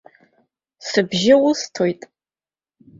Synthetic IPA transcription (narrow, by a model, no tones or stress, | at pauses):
sɨbʒɪwʊstʰojtʼ